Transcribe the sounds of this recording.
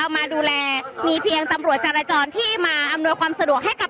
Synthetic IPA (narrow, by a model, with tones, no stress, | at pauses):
a˧wmaː˧duː˧lɛː˧miː˧pʰi˧əŋt̪a˧mɾu˨˩ət̪̚t͡ɕaː˧ɾaː˧t͡ɕɔː˧nt̪ʰiː˥˩maː˧ʔa˧mnu˧əjkʰwaː˧msa˧du˨˩ək̚ɦa˥˩jka˨˩